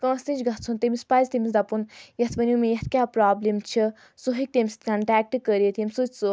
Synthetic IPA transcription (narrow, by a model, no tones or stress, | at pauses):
kɐ̃st̪ĩnt͡ʃɡɐt̪̚ʰt͡sʰunt̪emispaːzt̪imisd̪ɐpunjɐt̪pɐniumejɐt̪ʰkʲjaːpɾaːblemt͡ʃʰi | soɦik̚t̪emʲist̪kɐɳʈaːk̚ʈkəɾjet̪ʰimʲsut͡ʃʲso